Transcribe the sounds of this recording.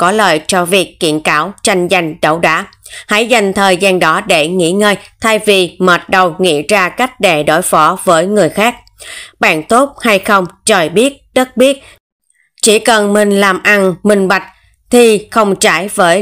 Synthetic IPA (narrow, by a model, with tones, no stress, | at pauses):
kɔ˨˦ləː˨˩jt͡ɕɔ˧vi˨˩əkːḭ˧˨ənkaː˨˦wt͡ɕa˧jŋ̟za˧˩jŋ̟ɗə˧˩wɗa̰ː˧˦ | ha̰˧˥jza˨˩jŋ̟t̪ʰəː˨˩jzaː˧nɗɔ˨˦ɗe˧˩ŋḭ˧˥ŋəː˧jt̪ʰa˧jvi˨˩məː˨˩t̚ɗə˨˩wŋḭ˧˥zaː˧ka˦˥jk̟̚ɗe˨˩ɗo˧˦jfɔ˨˦vəː˨˦jŋɨ˨˩əjxaː˦˥k̚ | ɓa̰ː˧˨nt̪o˦˥t̚ha˧jxə˧wŋ͡mt͡ɕə˨˩jɓi˦˥ət̚ɗə˦˥t̚ɓi˦˥ət̚ | t͡ɕi˧˩kə˨˩nmï˨˩ŋ̟laː˨˩mʔa˧nmï˨˩ŋ̟ɓa˨˩jk̟̚ | t̪ʰi˨˩xə˧wŋ͡mt͡ɕaː˧˩jvəː˨˦j